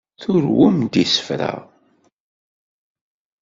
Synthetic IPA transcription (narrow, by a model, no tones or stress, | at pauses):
θʊɾwʊmd̪isə̥fɾa̰